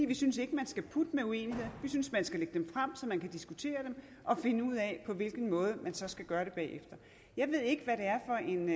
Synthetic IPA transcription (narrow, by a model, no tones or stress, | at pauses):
iʋisynse̝ɡ̥əmænsɡ̥æpʰud̥əmeue̝̰ːnihe̝ð̞̰ˠʋisynsmænsɡ̥æleɡ̥əd̥emfʁam̰sɒ̽mænkʰæd̥isɡ̥ut͡sʰe̝̰ːɐd̥em | ʔɒ̽fe̝nəuð̞̰ˠɛpʰɒ̽ʋe̝lɡ̥n̩mɔ̽ːð̞ˠəmænsɒ̽sɡ̥æɡ̥ɶːɐɾ̥e̝b̥ɛ̰ːefd̥ɐ | jɑ̈ɪʋe̝ð̞̰ˠe̝ɡ̥əʋæɾe̝æɐfɒ̽ʔe̝n